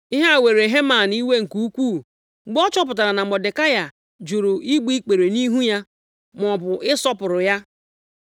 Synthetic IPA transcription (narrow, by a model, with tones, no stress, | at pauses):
i˦ɦa˦a˨we˨ɾe˨ɦe˦ma˨n˦i˦we˦ŋ̩˨ku˦u˦kʷu˦˨˦ | ɡ͡bɔ˦t͡ʃɔ˦p̬ʊ˨t̬a˨ɾa˨na˨mɔ˨de˨ka˦ja˨ | d͡ʒu˨ɾʊ˨ʔi˦ɡ͡bi˦i˦k͡pe˨ɾe˨ni˦ɦu˦ja˦ | m˨ɔ˨bʊ˨ʔɪ˦sɔ˦pʊ˨ɾʊ˨ja˦